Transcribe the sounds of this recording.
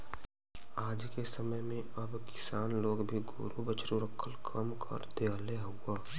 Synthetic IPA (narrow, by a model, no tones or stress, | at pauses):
aːd͡ʒkesəməjmẽ | ɐbkɪ̥saːnloːɡbʱiɡʱo̰ːɾubət͡ʃɾuɾəkʰəlkʰəmkʰə̰ɾd̪eːaːle | ʊːaː